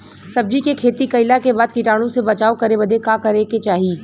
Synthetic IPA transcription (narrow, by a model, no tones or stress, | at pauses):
sɐb̚d͡ʒikekʰeːt̪ikɐɪlakebaːd̪kɪʈaːɽ̃õsebɐt͡ʃaːokɐɾebɐd̪ʱekakɐɾeket͡ʃaːɦiː